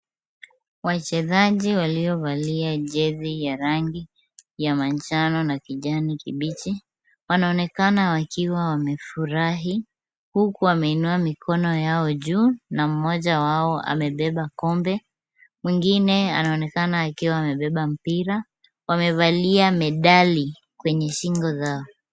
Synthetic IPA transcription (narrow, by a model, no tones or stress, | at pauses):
wat͡ʃɛðaʄiwaliɔvaliaʄɛðijaɾaŋɡi | jamant͡ʃanɔnakiʄanikiɓit͡ʃi | wanaɔnɛkanawakiwawamɛfuɾaɦi | hukuwamɛinuamikʰɔnɔjaɔʄunam̩mɔʄawaɔʔa̰mɛɓɛɓakɔmbɛ | mwiŋɡinɛa̰naɔnɛkanaːkiwawamɛɓɛɓam̩piɾa | wamɛvaliamɛɗali | kwɛɲɛʃiŋɡɔzaɔ